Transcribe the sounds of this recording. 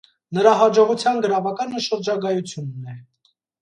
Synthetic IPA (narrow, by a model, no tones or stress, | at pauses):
nəɾɑɦɑd͡ʒɔʁut͡sʰjɑnɡəɾɑvɑkɑnəʃəɾd͡ʒɑɡɑjut͡sʰjunːɛ